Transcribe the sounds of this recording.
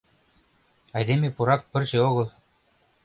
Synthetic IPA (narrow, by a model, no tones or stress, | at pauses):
ɑjd̪emʲepuɾɑk̚pʲɘ̆rʲt͡ɕɘoɣɤ̆lˠ